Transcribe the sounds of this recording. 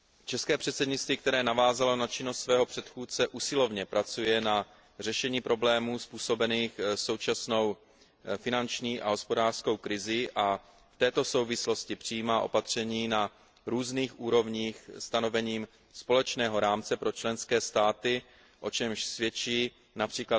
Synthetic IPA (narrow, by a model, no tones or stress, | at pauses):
t͡ʃɛskɛːpr̝̥ɛt̪sɛdɲɪt͡st̪viːkt̪ɛɾɛːnavaːzalo̞nat͡ʃɪnost̪svɛːɦo̞pr̝̥ɛt̪xuːt̪t͡sɛʔusɪlo̞vɲɛpɾʔat͡sujɛna | r̝ɛʃɛɲiːpɾo̞blɛːmuːspuːso̞bɛniːxso̞wt͡ʃasno̞w | fɪnant͡ʃɲiːʔa̰ɦo̞spo̞daːr̥sko̞wkɾɪzɪʔa | ft̪ɛːt̪o̞so̞wvɪslo̞scɪpr̥ɪjiːmaːʔo̞̰pat̪r̝̥ɛɲiːna | ɾuːzniːxʔuːɾo̞vɲiːxst̪ano̞vɛɲiːm | spo̞lɛt͡ʃnɛːɦo̞ɾaːmt͡sɛpɾo̞t͡ʃlɛnskɛːst̪aːt̪ɪ | ʔo̞t͡ʃɛmʃsvjɛt͡ʃiː | napr̝̥iːkla